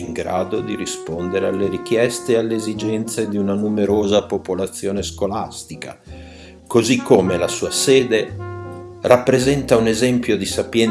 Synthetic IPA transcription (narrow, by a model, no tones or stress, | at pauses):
iŋɡɾa̰ːd̪od̪iɾispond̪eɾealːeɾik̟jɛst̪ealːeːzid͡ʒɛnt̪sed̪iunanumeɾoːzapopolat̪sːjoːneskolast̪ika̰ | kozikʰːomelasuːasɛːd̪e | rapːɾezɛnt̪aunezɛmpjod̪isapjɛn